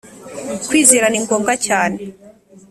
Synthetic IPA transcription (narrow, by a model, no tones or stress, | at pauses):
kwiːziɾaniŋɡoːmɡacaːne